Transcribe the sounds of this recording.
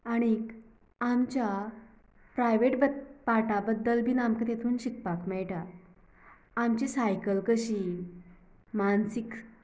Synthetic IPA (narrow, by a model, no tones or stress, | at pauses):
aɽ̃ik | amt͡ɕja | pɾajʋeʈbəpaʈabəd̪ːəlbʱiːnamkət̪et̪ʰuːnɕik̚pakmɛɭʈa | amt͡ɕisajkəlkəɕiː | mansik